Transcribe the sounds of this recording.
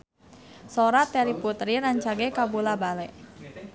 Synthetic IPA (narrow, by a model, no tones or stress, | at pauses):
soɾat̪ɛɾiput̪ɾiɾaɲt͡ʃaɡɛkabulabalɛʔ